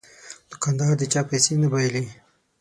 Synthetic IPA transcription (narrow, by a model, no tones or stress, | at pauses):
d̪̥ʊkand̪aɾd̪ət͡ʃaːpajsenabajli